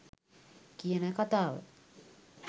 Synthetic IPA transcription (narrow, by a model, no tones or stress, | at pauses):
kiənəkat̪aːʋə̰